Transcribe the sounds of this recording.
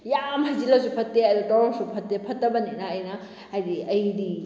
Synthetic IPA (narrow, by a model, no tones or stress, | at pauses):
jamɐzilasupʰɐtːeɐjdatɔɾɔsupʰɐtːepʰɐtːɐbɐninaːjnɐ | ajdiɐjdi